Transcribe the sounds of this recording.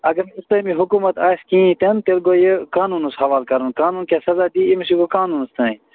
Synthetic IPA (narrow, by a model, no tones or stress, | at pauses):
ɐɡɐɾmist̪ɐ̃miɦʊkumɐt̪aːskĩːĩt̪ɐnt̪elɡoːjekaːnuːnushɐʋaːlkɐɾunkaːnuːnkasɐzaːd̪iːimisiɡokaːnuːnst̪ʰɐ̃ːĩ